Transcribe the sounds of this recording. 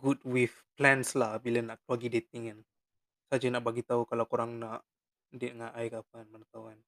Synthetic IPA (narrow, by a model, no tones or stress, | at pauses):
ɡut̚wifplɛnslahbilanaʔkəlwaɡidet̪̚iŋan | sad͡ʒanaʔbaɡit̪aukalawkoɾaŋnaʔ | dɛʔ̪ŋaʔajkapanmanat̪awan